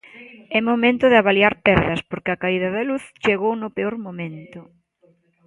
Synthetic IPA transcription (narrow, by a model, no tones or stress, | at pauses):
ɛmomẽnt̪ʊðɪaβaliaɾpɛɾðɐspoɾkɪɐkaiðɐðɐluθt͡ʃeɣownʊpeoɾmomẽnt̪ʊ